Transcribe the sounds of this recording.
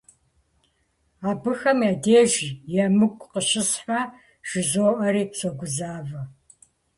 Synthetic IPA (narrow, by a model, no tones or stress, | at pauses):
aːbɨxɐmjaːdeːʒjɛmɨɡʷʼqəʃɪsħa | ʒ̥ɪzoːʔɐɾiːpt͡sʷʰoɡʷʊzaːvɐ